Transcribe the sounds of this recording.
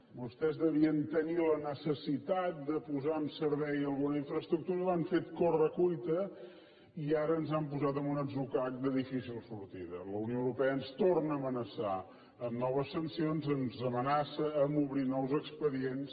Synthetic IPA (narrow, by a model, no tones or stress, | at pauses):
bust̪ɛzðəβiənt̪ənilənəsəsit̪at̪̚d̪əpuzaəmsəɾβɛjəlˠɣunəiɱfɾəst̪ɾuk̚t̪uɾəlaɱfet̪̚korəkujt̪ə | iaɾəːnzampuzat̪əmunəzukak̚d̪əðifisilˠsuɾt̪iðə̰ləunioəwɾupɛəənst̪ornəːmənəsa̰ | əmnɔβəsːənsionzənzəmənasəːmuβɾinɔwzəkspəðiens